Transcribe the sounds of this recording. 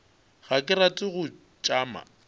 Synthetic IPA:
ɣakʼɪratʼɪɣʊ | t͡ʃʼaːma̰

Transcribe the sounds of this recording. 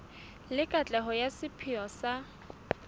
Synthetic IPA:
lɪkʼat͡ɬʼɛɦɔjasɪpʰɪɔsa

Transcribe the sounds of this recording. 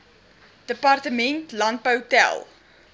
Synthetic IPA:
d̥əpɑrtəmɛ̃ntlɐ̃nt̚pəwtɛ̰lˠ

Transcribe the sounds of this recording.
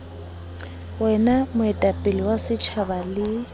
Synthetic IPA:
wɛnamʊɛtʼapʼɪliwasɪt͡ʃʰabalɪ

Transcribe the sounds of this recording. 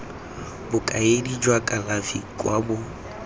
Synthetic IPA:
bʊkʼaedid͡ʒwakʼalafikʼwabʊ

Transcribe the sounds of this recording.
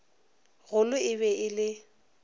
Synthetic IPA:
ɣʊlʊɪβɛʔɪlɪ

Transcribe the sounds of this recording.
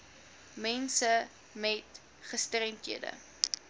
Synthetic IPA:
mɛnsə | mɛt | χəstrɛntɦiədə̰

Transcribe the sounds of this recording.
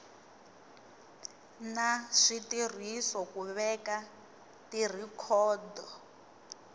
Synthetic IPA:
naʂitir̤isɔkuβɛka | tir̤ikʰɔːdɔ

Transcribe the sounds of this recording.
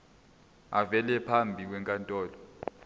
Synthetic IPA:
avɛlɛpʰambʱik̬wɛŋkʼantʼɔːlɔ

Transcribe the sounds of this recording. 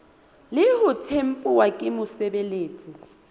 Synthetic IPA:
lɪhʊtʰem̩pʼʊwakʼɪmʊsɛbeleːt͡sʼi

